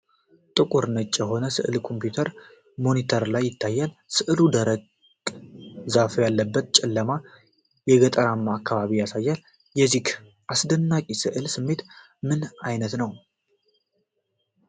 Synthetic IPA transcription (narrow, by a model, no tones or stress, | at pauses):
t̪ʼɨkʼuɾnət͡ʃʼːjɛɦo̞nəsɨʔɨlkʰo̞mpjut̪ʰəɾ | mo̞nit̪ʰəɾlajːɪt̪ʰːajːalsɨʔɨlud̪əɾəɡʼ | zafjalːəbːət̪t͡ʃʼɛlːəma | jɛɡət̪ʼəɾamːaːkʰːaβaβijasajːal | jɛzik | ʔasd̪ənːakʼisɨʔɨlsɨmːe̞t̪ | mɨnajnət̪nəw